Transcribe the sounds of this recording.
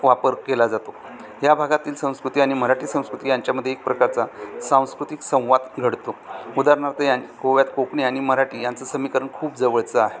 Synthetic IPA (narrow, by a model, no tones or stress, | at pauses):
ʋapəɾkelad͡zat̪o | ɦjabʱaɡat̪iːlsə̃w̃skɾut̪iːaɽ̃iməɾaʈiːsə̃w̃skɾut̪iːjaɲt͡ɕjaməd̪ʱjeek̚pɾəkaɾt͡sasãw̃skɾut̪iksə̃w̃ʋad̪ɡʱəɽt̪oud̪aɾɳaɾt̪əjankoʋjat̪kokɳiaɽ̃iməɾaʈiːjant͡səsəmikəɾəɳkʰuːpd͡zəʋəɭt͡səaɦe